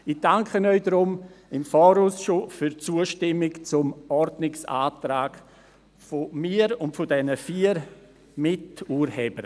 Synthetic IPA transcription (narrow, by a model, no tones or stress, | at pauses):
ɪd̥aŋkʰənœʏdɾʊmɪmfɔːɾuːsʃofyɾt͡suːəʃtɪmɪkt͡sʊmɔɾdnɪksa̰ːtɾaːɡ | fomiːɾʊntfʊdɛnəfiːɾ | mɪtuːɾhɛbəɾ